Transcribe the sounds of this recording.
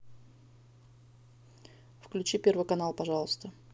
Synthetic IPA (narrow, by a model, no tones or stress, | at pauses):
fklʲʉt͡ɕipʲe̞rvɨjkɐnalˠpɐʐalˠəst̪ə